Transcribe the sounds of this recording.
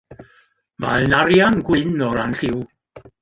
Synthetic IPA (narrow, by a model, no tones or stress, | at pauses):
ma̰ɛnaɾjanɡwɪnɔɾanɬɪw